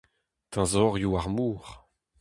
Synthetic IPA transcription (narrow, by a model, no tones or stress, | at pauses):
t̪ãzɔʁjuaʁmuːʁ